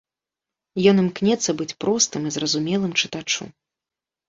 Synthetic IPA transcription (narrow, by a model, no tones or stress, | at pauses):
jɔnɨmknʲɛt̪sːɐbɨt͡sʲpɾɔst̪ɨmizrɐzumʲɛlˠɨmt͡ʂɨt̪at͡ʂṵ